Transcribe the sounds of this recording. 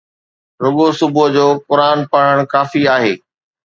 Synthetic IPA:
ɾʊɠosʊbʊd͡ʑoːkʊɾaːnpaɽ̤əɽ̃kaːfiaːɦeː

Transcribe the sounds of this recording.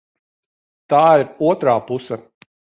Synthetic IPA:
t̪aːiɾuɔt̪ɾaːpusɐ

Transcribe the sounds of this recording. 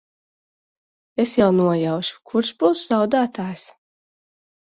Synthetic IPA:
esjawnuɔjawʃu̥kʰuɾʃbuːszawd̪aːt̪aːjs

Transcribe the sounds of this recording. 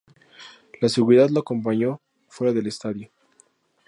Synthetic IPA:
laseɣuɾiðaðloako̞mpaɲo̞ | fwe̞ɾaðe̞lest̪aðjo

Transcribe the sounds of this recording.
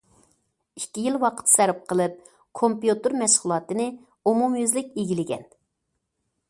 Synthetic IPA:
ikʲːijilwɑqʰə̥t̪sæɾɪp̚qʰəlˠɨp̚ | kʰompjut̪ɨɾmɛʃχʊlˠɑːt̪ɨnɨ | umumjøzlɪkʲeɡʲilɪɡʲɛ̰n

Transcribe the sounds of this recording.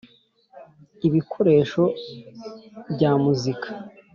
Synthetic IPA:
iβikʰo̞ɾe̞ːʃo̞ | bɟaːmuzikʰḁ

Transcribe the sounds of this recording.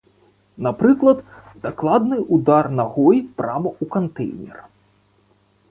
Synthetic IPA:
napɾɨklˠɐd̪ | d̪ɐklˠad̪nɨʔud̪arnɐɣɔjpɾamɐʔukɐnt̪ɛ̰jnʲɛ̰r

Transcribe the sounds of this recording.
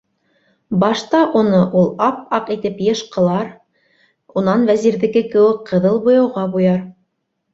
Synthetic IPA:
bɑʃt̪ɑʔunɤʔulˠɑp̚ɑqit̪ɘpjɤ̆ʃqɤ̆lˠɑɾ | unɑnvæziɾðɘ̆ɡɘkɘ̆wɘk̚qɤ̆ðɤlˠbŏjɑwʁɑbujɑɾ

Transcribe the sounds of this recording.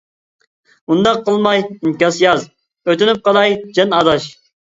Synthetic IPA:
und̪ɑqʰːəlˠmɑjinkʲɑsjɑz | øt̪ɪnyp̚qɑlˠɑjd͡ʒɛnɑd̪ɑʃ

